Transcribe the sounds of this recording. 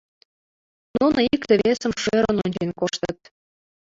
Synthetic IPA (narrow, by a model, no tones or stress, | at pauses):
nunikt̪ĕβesə̆mʃøɾənonʲd͡ʑenkoʃt̪ət̪̚